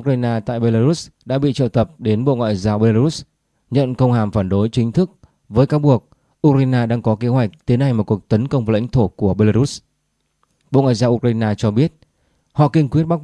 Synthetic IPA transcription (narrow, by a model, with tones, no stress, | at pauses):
ʔu˧k̚aː˧jnaː˧t̪a̰ː˧˨jɓe˧laː˧ɾu˦˥sɗa̰ː˧˥ɓḭ˧˨t͡ɕə̰˧˨t̪ə˨˩p̚ɗe˨˦nɓo̰˧˨ŋwa̰ː˧˨jzaː˧wɓe˧laː˧ɾu˦˥s | ɲə̰˧˨nkə˧wŋ͡mhaː˨˩mfaː˧˩nɗo˨˦jt͡ɕï˨˦ŋt̪ʰɨ˦˥k̚ | vəː˨˦jkaː˨˦wɓu˨˩ək̚ | ʔu˧k̚ɾaː˧jnaː˧ɗaː˧ŋkɔ˨˦ke˨˦ɦwa˨˩jk̟̚t̪i˨˦ənʔa˧jmo˨˩t̚ku˨˩ək̚t̪ə˨˦nkə˧wŋ͡mva˨˩la̰˧˥jŋt̪ʰo˧˩ku˧˩əɓe˧laː˧u˦˥s | ɓo̰˧˨ŋwa̰ː˧˨jzaː˧wʔu˧k̚ɾaː˧jnaː˧t͡ɕɔ˧ɓi˦˥ət̚ | hɔ̰˧˨kï˧ŋkwi˦˥ət̚ɓa˦˥k̚